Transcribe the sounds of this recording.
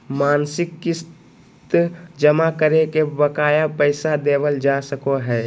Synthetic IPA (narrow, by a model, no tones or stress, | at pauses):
maːnsɪkːɪs | t̪d͡ʒəmakəɾekebəkaːjapəɪsad̪eːʋəld͡ʒasəkoɦɛː